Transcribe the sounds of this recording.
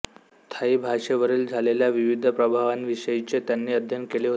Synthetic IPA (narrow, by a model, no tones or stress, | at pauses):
t̪ʰaiːbʱaʂeʋəɾiːld͡zʱaleljaʋiʋid̪ʱəpɾəbʱaʋanʋiʂəjit͡ɕet̪janːiːəd̪ʱjənkeleɦo